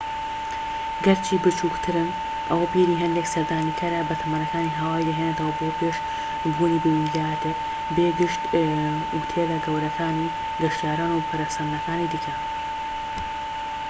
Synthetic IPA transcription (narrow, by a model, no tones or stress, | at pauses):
ɡɐɾt͡ʃʰiːbɨt͡ʃʰuːkt̪ʰɨɾɨm | ɐwɐpiːɾiːɦɐnd̪eːksɐɾd̪aːnikʰɐɾɐbɐt̪ʰɐmaːnɐkʰaːniːɦaːwaːjd̪ɐɦeːnet̪ɐwɐbopʰeːʃ | buːnibewinɡaːjt̪ɨ | beːɡɪʃt̪ | ut̪ʰed̪ɐɡɐwɾɐkʰaːni | ɡɐʃt̪ijaːɾaːnupʰɐɾasɐnnɐkaːniːd̪ɨkʰɐ